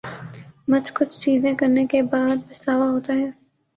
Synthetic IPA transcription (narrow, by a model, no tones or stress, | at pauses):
mɐt͡ʃkʊt͡ʃʰt͡ʃiːzẽkɐɾnekebaːd̪̚bɪsaːʋaɦoːt̪aɦɛː